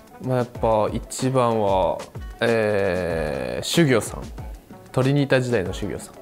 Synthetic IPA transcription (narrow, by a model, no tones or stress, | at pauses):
majapːait͡ɕibãɰ̃βa | eː | ɕɨɡʲo̞ːsã̰ŋt̪o̞ɾʲiɲ̟iːt̪aʑid̪aino̞ɕɨɡʲo̰ːsḁ̃ŋ